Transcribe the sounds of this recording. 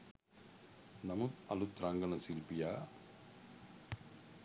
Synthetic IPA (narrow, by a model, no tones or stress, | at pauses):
nɐmut̪ɐlut̪ɾaŋɡɐnɐsilpijaː